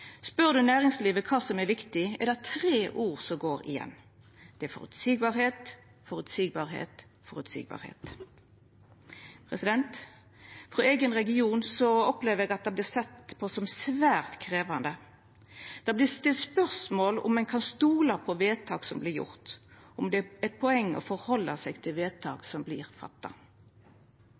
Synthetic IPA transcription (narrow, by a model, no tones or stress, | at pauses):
spœʁd̪ʉnæːʁɪŋsliːʋəkʰɑːsɔmɛɾʋɪkt̪ɪɛd̪æt̪ʰʁeːʔuːʁsɔɡoːɾɪ̰jɛ̰nː | d̪̥ɛæfɔ̰ɾʉ̰t̪siːɡ̚bɑʁheːt̪ | fɔɾʉt̪siːɡ̚bɑʁhḛːt̪fɔʁʉt̪sḭːɡ̚bɑ̰ːʁhḛːt̪ | pʰʁɛsɪd̪ɛnt̪ | fʁɔeːɡənʁɛɡɪuːnsɔɔpleːʋəɾɛɡɑt̪̚d̪ɑblɪsɛt̪pʰɔsɔmsʋæːʁt̪kʰɾeːʋɑnd̪ə | d̪̥ɑːblɪst̪ɪlt̪spœʁsmoːlʊ̰mːɛnkʰɑnst̪uːlɑpʰɔʋeːt̪ʰɑːɡsɔmblɪɾjʊ̰ʁt̪ | ɔmd̪ɛɛt̪̚pʰɔɛŋːəɔ̰fɔɾhɔlːəsɛɡt̪ʰɪlʋeːt̪ʰɑ̰ːɡsɔmblɪːɾfɑ̰t̪ːɑ̰